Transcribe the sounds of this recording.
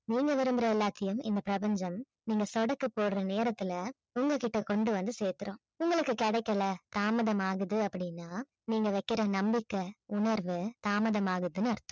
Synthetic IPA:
niːŋɡɐʋɪɾɯmbɪɾɐɛlːaːt̪ːɐjɯmɪnd̪ɐpɪɾɐpɐɲd͡ʒɐm | niːŋɡɐsɔɽɐkːɯpːoːɽɯɾɐneːɾɐt̪ːɪlɐ | ʊŋɡɐkɪʈːɐkɔɳɖɯʋɐnd̪ɯseːɾt̪ːɯɾõː | ʊŋɡɐɭɯkːɯkɐɽɐɪkːɐɭɐt̪aːmɐðɐmaːɣɯðɯɐpːɐɽɪnːaː | niːŋɡɐʋɐɪkːɪɾɐnɐmbɪkːɐʊɳɐɾʋɯt̪aːmɐðɐmaːɣɯðɯnɯɐɾɯt̪ːʊ̥̃

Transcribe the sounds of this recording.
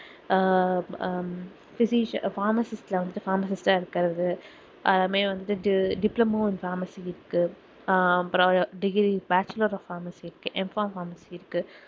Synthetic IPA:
fɪsiʃfaːɾmɐsɪsʈlɐʋɐnd̪ɯʈːɯ̥faːɾmɐsɪsʈaːɪɾɯkːɐɾɐðɯ | ʔɐðɐmeːʋɐnd̪ɯʈːɯɖɪplɐmoːɪnfaːɾmɐsiɪɾɯkːɯ | ɐpːɾ̃ɐʋɐɾɖɪɡɾibaːt͡ʃɐlɐɾɔfaːɾmɐsiɪɾɯkːɯʔɛmfaːmfaːɾmɐsiɪɾɯkːɯ

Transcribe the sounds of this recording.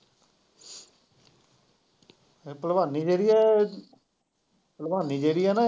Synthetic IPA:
epəlbaːniːd͡ʒeːɾɪjɛː | pəlbaːnĩːd͡ʒeːɾɪjɛna

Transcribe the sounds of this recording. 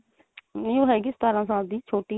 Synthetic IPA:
nɪõːɦɛːɡɪst̪aːɾãːsãːd̪iːt͡ʃʰoːʈiː

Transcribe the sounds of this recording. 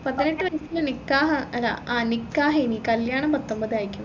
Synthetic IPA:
pɐd̪ineʈːɨʋɐɾɐsilɐnikːaːɦɐɐla̰anikːaːɦeːnikɐljaːɳɐmpɐt̪ːombɐd̪aːjikʲːum

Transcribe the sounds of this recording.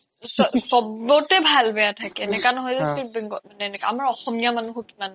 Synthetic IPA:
sɔsɔbɹɔtɛbʱalbɛjatʰakɛnɛkanɔɦɔjzɛsibɛŋɡɔmanɛnɛkaamaɹɔxɔmijamanuɦokiman

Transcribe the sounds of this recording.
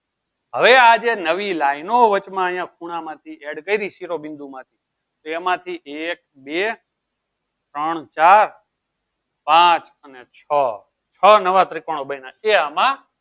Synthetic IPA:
ɦəʋead͡ʒenəʋilainoʋət͡ʃmãəɦjãkʰuɽ̃ãmãt̪ʰieɽkəiɾiʃiɾobɪ̃nd̪ũmãt̪ʰi | t̪oemãt̪ʰiʔek̚be | t̪ɾəɳ̃t͡ʃaːɾ | pãt͡ʃ | ənet͡ʃʰə | t͡ʃʰənəʋat̪ɾɪkoɽ̃obəinãeəmã

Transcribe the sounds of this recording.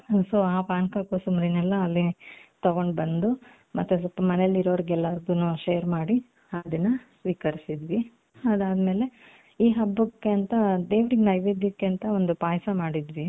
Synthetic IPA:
soːaːpaːnkakusumɾinɛlːɐːlːit̪ɐɡo̞ɳɖbɐnd̪u | mɐt̪ːusɔlpɐmɐnelːiɾoʋɐɾiɡɛlːaːɾɐɡ̪unuʃejɐɾmaːɽi | ɐd̪ɐnːɐsʋiːkɐɾisid̪ʋi | ɐd̪aːd̪me̞ːle̞ | iːɦɐbːukːeɐnt̪ɐd̪eːʋɾiɡenɐjʋid̪jɐkːeɐnt̪ɐond̪upaːjsɐmaːɽid̪ʋi

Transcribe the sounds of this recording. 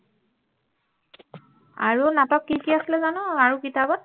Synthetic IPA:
a̰ɹunapap̚kikiasilɛzanʊaɹukitabɔt̚

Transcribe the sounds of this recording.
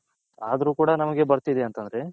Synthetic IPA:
aːd̪ɐɾuːkuːɽɐnɐmɐɡe̞bɐɾt̪id̪eɐnt̪ɐnd̪ɐɾe̞

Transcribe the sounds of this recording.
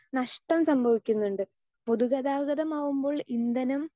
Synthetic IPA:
nɐʂʈɐmsɐmbʱɐʋikʲːunːuɳɖɨ | po̞ðuɣɐðaːɣɐðɐmaːʋumbo̞ːɭind̪ɐnum

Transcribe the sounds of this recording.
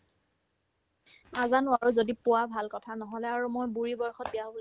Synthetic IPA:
azanʊaɹuzodipʊwabʱalkɔtʰanɔɦɔlɛaɹumojbuɹibɔɹxɔt̚bijaɦobɔl

